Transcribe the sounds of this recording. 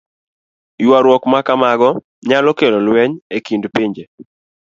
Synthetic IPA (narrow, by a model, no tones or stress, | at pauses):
jwaɾwɔkmakamaɡɔ | ɲalɔkelɔlwɛɲekindpiɲd͡ʒe